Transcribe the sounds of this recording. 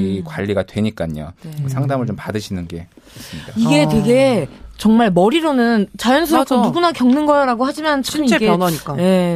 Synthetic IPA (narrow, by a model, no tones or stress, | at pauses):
ikwaʎːiɡadwe̞ɲik͈aɲo̰sʰaŋdamɯɭt͡ɕompadɯɕʰinɯnɡe̞ | esɯmɲidaiɡe̞twe̞ɡe̞t͡ɕʌŋmaɭmʌɾiɾonɯnt͡ɕajʌnsʰɯɾok͈̚ʰʌduɡunakjʌŋnɯnɡʌaɾaɡohad͡ʑimant͡ɕʰʌk͈ɯmiɡenaɲik͈ae̞